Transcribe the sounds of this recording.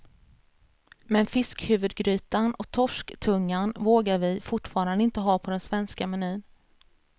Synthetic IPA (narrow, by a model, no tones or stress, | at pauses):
mɛnfɪskhʉ̟ːvɵd̪ɡɾyːt̪anɔk̚t̪ʰɔʂkt̪ʰɵŋːanvoːɡaɾvɪfʊʈfɑːɾand̪əɪnt̪əɦɑːpʰɔd̪ɛnsvɛnskamɛnyːn